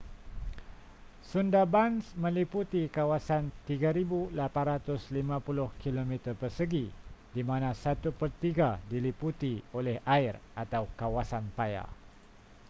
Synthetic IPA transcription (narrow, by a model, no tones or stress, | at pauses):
sundabansmə̃liput̪ikawasant̪iɡaɾibulapanɾat̪ʊslimãpulʊhkilomit̪ərpərsəɡidimãnãsat̪upərt̪iɡadiliput̪iolɛhaɪrʔat̪awkawasanpaja̰